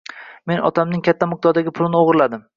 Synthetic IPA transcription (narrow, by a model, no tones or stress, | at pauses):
me̞nɒ̰t̪ʰamnɪŋkʲʰat̪ʰːamɪk̚d̪ɒɾd̪aɡʲɪpʰʊlɪnɪoʁɾlad̪ɪm